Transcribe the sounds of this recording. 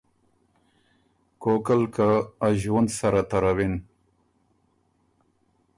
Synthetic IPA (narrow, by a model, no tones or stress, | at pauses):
kokalkaːʒwand̪saɾat̪aɾawin